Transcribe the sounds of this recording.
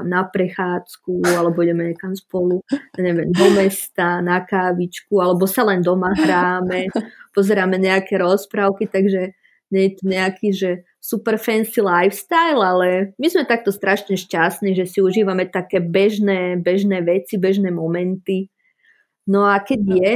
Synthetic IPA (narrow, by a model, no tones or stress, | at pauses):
napɾɛxaːt͡skualɛbɔiɲɛmɛɲɛkamspɔluaɲɛʋɛmd̪ɔmɛst̪anakaːʋit͡ʃkualɛbɔsalɛnd̪ɔmaɦɾaːmɛpɔzɛɾaːmɛɲɛakɛɾɔspɾaʊkit̪aɡʒɛ | ɲɛɲɛt̪uɲɛakʰiːʒɛ | supɛɾfɛnsilajfst̪ajlalɛmizmɛt̪ak̚t̪ɔst̪ɾʔaʃɲɛʃcast̪niʒɛsiuʒiːʋamɛt̪akɛːbɛʒnɛːbɛʒnɛːʋɛt͡sibɛʒnɛːmɔmɛnt̪i | nɔakɛɟjɛ